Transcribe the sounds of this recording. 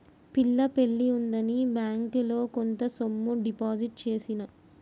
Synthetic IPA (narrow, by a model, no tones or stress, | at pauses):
pilːɐpe̞ɭːiund̪ɐnibjaːŋkulo̞ːkont̪ɐsomːuɖipaːd͡ʒiʈ̚t͡ʃe̞ːsinɐ